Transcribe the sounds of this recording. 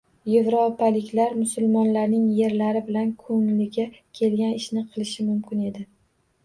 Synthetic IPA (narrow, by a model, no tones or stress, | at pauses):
je̞vɾopʰalɪkʲʰlaɾmʊsʊlˠmɒnlaɾnɪŋje̞ɾlaɾɪbɪlankʰɵŋlɪɡʲakʲʰe̞lɡʲanɪʃnɪqʰɨlˠɪʃɪmʊmkʲɪne̞d̪ɪ